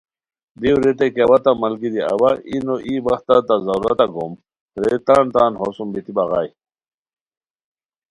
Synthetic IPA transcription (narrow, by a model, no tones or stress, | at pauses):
d̪iwɾet̪̬ekɐwat̪amɐlɡid̪iɐ̰baʔinoʔibɐxt̪at̪azɐɾɐ̰t̪aɡom | ɾet̪aːɳt̪aːnɦosumbit̪ibɐɣaːj